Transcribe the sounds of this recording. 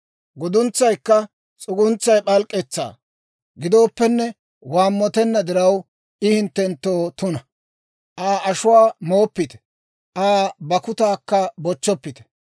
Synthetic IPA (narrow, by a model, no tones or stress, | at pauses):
ɡʊd̪ʊnt͡sːɐjkːɐ | t͡sʼʊɡʊnt͡sːɐjpʼɐlkʼːɛt͡sːa̰ː | ɡɪd̪o̞ːpːɛnːɛ | waːmːɔt̪ɛnːɐd̪ɪɾɐw | ʔɪhɪnt̪ːɛnt̪ːoːt̪ʊnɐ | ʔaːʔɐʃʊwaːmoːpːɪt̪ɛ̥ | ʔaːbɐkʊt̪aːkːɐbɔt͡ʃːɔpːɪt̪ɛ̥